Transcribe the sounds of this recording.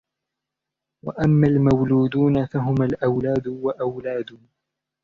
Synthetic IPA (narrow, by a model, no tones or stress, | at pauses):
wa̰ʔamːaːlmawluːd̪uːnafaɦʊmalʔawlaːd̪waʔawlaːd̪ʊ